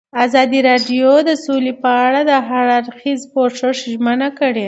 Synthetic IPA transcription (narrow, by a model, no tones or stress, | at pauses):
azɑd̪iɾɑɖjod̪əsolepəaɽad̪əɦaɾaɾxizpoʂəʂʒmənakəɽe